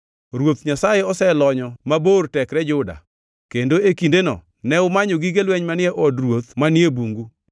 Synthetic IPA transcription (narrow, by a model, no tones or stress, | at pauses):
ɾwot̪ɲasajeɔsɛlɔɲɔmabortɛkɾɛd͡ʒʊda̰ | kendoekindenɔ̰ | nɛʊmaɲoɡiɡelwɛɲmanɪɛʔɔdrwot̪manɪebuŋɡu